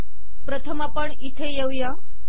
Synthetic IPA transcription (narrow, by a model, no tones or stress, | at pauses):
pɾət̪ʰəmapəɳit̪ʰejewja